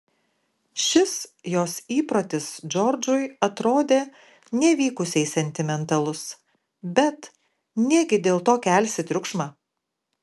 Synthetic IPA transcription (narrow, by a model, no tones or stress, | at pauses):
ʃʲɪsjoːsiːpɾoːt̪ʲɪsd͡ʒʲɔɾd͡ʒʊjɐt̪ɾoːd̪ʲeː | nʲɛʋʲiːkʊsʲɛɪsʲɛnʲt̪ʲɪmʲɛnt̪ɐlˠʊs | bʲɛt̪ | nʲiɛɡʲɪd̪ʲeːlˠt̪oːkʲælʲsʲɪt̪ʲɾʲʊkʃmɑː